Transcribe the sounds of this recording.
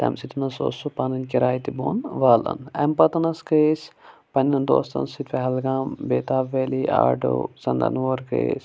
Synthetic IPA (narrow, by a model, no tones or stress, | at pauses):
t̪ɐ̰msit̪ʰnɐso̰ːsupaːnɐnkiɾaːjt̪ibo̰ːnʋaːlɐ̰nɛmpɐt̪ɐnɐskəispɐnːɐnd̪o̰ːst̪ɐ̰nsit̪ʋeɦɐlɡaːmbeːt̪aːʋeːliʔa̰ːɖo̰ːsɐnd̪ɐ̰nʋoːɾkə̰is